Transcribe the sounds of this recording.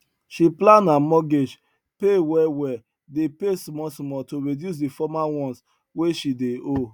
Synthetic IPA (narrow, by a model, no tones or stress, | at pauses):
ʃiplãnamɔɡed͡ʒ | pewɛwɛ | depesmɔsmɔtoɹidjus̬defɔmawɔ̃ns | weʃideo